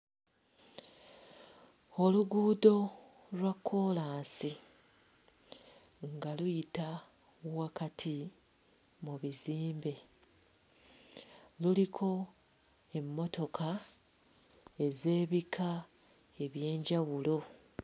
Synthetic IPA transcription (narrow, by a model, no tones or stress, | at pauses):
o̞luɡuːdo̞ | lwakʰːo̞ːlaːnsi | ŋɡalujita | wakatʰi | muβiziːmbe̞ | lulikʰo̞ | e̞mːo̞to̞kʰa | e̞ze̞ːβikʰa | e̞βje̞ːɲɟawulo̞